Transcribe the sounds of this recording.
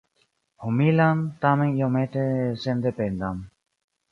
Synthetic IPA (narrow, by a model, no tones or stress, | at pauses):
humilant̪amɛŋijɔmɛt̪ɛsɛnd̪ɛpɛnd̪am